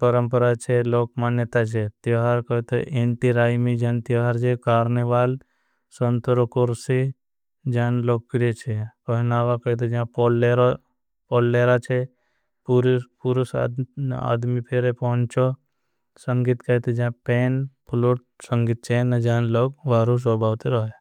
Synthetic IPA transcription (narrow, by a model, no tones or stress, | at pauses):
pəɾə̃mpəɾat͡ʃʰeloːk̚manjət̪at͡ʃʰet̪joɦaɾkət̪eʔeɳʈiɾaːjmid͡ʒaːnt̪joɦaɾt͡ʃʰekaːɾneʋaːl | sənt̪ɾokoɾsi | d͡ʒaːnloːkkɾet͡ʃʰepɐɦnaːʋakəjt̪̬ed͡ʒãpolːeɾo | pɔlːeːɾat͡ʃʰe | pɾpuɾus | a̰ːd̪mipʰeɾepɔɦʊ̃nt͡ʃo | səŋɡit̪kɐjt̪ed͡ʒãpeːnpʰloʈ̚ | səŋɡit̪̚t͡ʃʰenəd͡ʒaːnloːɡʋaːɾus̬ɔbʱaːʋt̪eɾɔɦe